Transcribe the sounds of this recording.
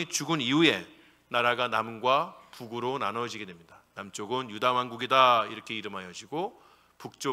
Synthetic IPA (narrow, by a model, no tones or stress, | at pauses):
it͡ɕuɡɯniue̞ | naɾaɡanamɡwapuɡuɾonanʌd͡ʑiɡe̞dwe̞mɲidanamt͡ɕ͈oɡɯnjudamɦanɡuɡidaiɾʌkʰe̞iɾɯmɦajʌd͡ʑiɡo | puk̚t͡ɕ͈o